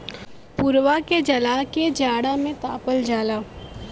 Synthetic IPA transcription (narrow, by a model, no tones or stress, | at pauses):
puɾwaked͡ʒɐlaːked͡ʒaːɽamẽt̪a̰ːpəld͡ʒaːlaː